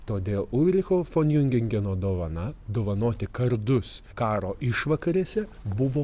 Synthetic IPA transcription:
t̪oːd̪ʲeːlˠʊʋʲɾʲɪxoːfoːnʲjʊŋʲɡʲɪŋʲɡʲɛnoːd̪oːʋɐnɐd̪oːʋɐnoːt̪ʲɪkɐɾd̪ʊs | kɑːɾoːʔɪʃʋɐkɐɾʲeːsʲɛbʊʋoː

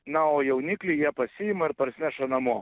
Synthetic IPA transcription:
nɐoːjɛʊnʲɪklʲɪjiɛpɐsʲɪjɪmɐɪɾpɐɾʲsʲɪnʲæʃɐnɐmuɔ

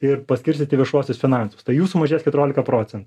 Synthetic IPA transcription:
ɪrpɐsʲkʲɪɾʲsʲɪt̪ʲɪʋʲɪʃuɔsʲʊsfʲɪnɑˑnsʊst̪ɐɪjuːsʊmɐʒʲeːsʲkʲɛt̪ʊɾʲoːlʲɪkɐpɾoːt͡sʲɛnt̪ː

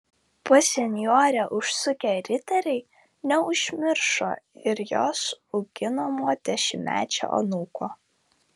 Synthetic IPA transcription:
pɔsʲɛnʲjoːɾʲɛːʔʊʃsʊkʲɛɾʲɪt̪ʲɛɾʲɛɪ | nʲɛʊʒʲmʲɪɾʃo̰ːɪɾjoːsʊɡʲɪnomoːd̪ʲɛʃʲɪmʲæ̰ːt͡ʃʲo̰ʔɐ̰nuːkoː

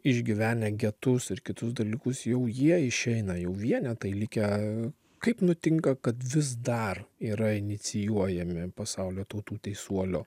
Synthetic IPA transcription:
ɪʒʲɡʲɪʋʲæːnʲɛɡʲɛt̪ʊsɪɾkʲɪt̪ʊsd̪ɐlʲiːkʊsjɛʊjiɛɪʃʲɛɪnɐjɛʊʋʲiɛnʲɛt̪ɐɪlʲɪkʲɛ | kɐɪpnʊt̪ʲɪŋkɐkɐt̪ʋʲɪs̬d̪ɐriːɾɐɪnʲɪt͡s̪ʲɪjuɔjɛmʲɪpɐsɑʊlʲoːt̪ɐʊt̪uːt̪ʲɛɪsuɔlʲoː

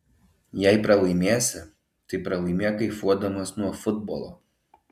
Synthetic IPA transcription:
jɛɪpɾɐlˠɐɪmʲeːsʲɪ | t̪ɐɪpɾɐlˠɐɪmʲeːkɐɪfuɔd̪ɐmoːsnuɔfʊd̪̚bɔ̰lˠo̰

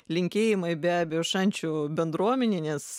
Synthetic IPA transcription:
lʲɪŋʲkʲeːjɪmɐɪbʲæːbʲɛjoːʃɐnʲt͡ʃʲubʲɛnd̪ɾuɔmʲɛnʲeːnʲɛs

